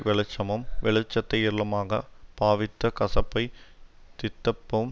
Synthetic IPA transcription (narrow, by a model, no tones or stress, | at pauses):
ʋɛɭɐt͡ʃːɐmɯmʋɛɭɐt͡ʃːɐt̪ːɐɪjɪɾlɐmaːɣɐpaːʋɪt̪ːɐkɐsɐpːɐɪt̪ɪt̪ːɐpːɯm